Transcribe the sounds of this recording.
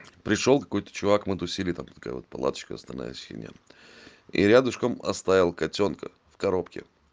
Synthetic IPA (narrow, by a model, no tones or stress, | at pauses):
pɾʲɪʂolˠkɐ̥ko̞jt̪ə̥t͡ɕʊvakmɨt̪ʊsʲilʲɪt̪amt̪ːɐka̰jə̰o̞̰t̪̚pɐlˠa̰t̪ə̥t͡ɕkəɐ̰snɐlʲna̰jəsʲxʲɪ̰nʲa̰ | ḭɾʲad̪ʊʂkəmɐ̰st̪avʲɪlˠkɐtʲonkə | fkɐɾo̞pkʲɪ̰